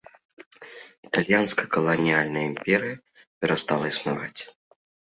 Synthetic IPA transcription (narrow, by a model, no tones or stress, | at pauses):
it̪alʲjanskɐkɐlˠɐnʲijalʲnɐjəimpʲɛɾɨjɐ | pʲɛɾɐst̪alˠɐisna̰va̰t͡sʲ